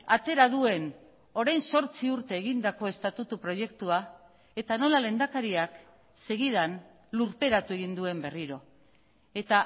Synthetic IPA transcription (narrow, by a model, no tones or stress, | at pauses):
at̪e̞ɾaðue̞n | o̞ɾajnso̞ɾt͡siuɾt̪e̞ːɣind̪ako̞e̞st̪at̪ut̪upɾo̞je̞kt̪ua | e̞t̪ano̞lale̞nd̪akaɾiak | se̞ɣiðan | luɾpe̞ɾat̪ue̞ɣ̞ind̪ue̞mbe̞riɾo̞ | e̞t̪a